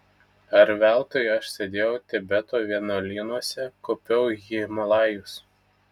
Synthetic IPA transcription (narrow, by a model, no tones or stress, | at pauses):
ɐɾʋʲæˑlˠt̪oːjɐʃsʲed̪ʲeːjɛʊt̪ʲɛbʲɛt̪oːʋʲiɛnɐlʲiːnuɔsʲɛkopʲɛʊjimɐlˠɑːjʊs